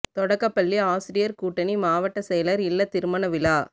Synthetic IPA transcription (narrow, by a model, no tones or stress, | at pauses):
t̪ɔɽɐkːɐpːɐɭːiaːsɪɾɪjɐɾkuːʈːɐnimaːʋɐʈːɐsɛjɐlɐɾɪlːɐt̪ɪɾɯmɐnɐʋɪlaː